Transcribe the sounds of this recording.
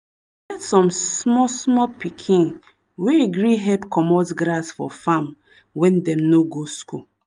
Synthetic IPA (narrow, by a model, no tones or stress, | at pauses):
ɡɛtsɔ̃msmɔsmɔpikʰĩn | weɡɾiɦɛpkʰɔmɔsɡɾasfɔ̰fãm | wɛ̃ndɛ̃mnoɡoskṵ